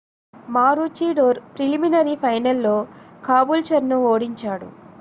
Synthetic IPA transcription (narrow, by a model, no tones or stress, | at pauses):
maːɾut͡ʃiːɖoːɾpɾiliminɐɾipʰɐjnɐlːo̞ːkaːbult͡ʃɐɾnuoːɽiɲt͡ʃaːɽṵ